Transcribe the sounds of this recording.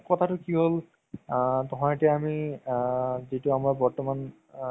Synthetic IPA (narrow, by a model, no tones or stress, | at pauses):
kɔt̪ʰatʊkiɦol | t̪ɔɦɔ̃ɛʈiami | d͡ʒetuamaɹbɔɹtɔman